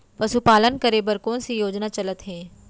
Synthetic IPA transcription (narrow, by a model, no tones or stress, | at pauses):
pɐsupaːlənkɐɾebɐɾkõːnsijoːd͡ʒnat͡ʃɐlət̪ɦɛ̃ː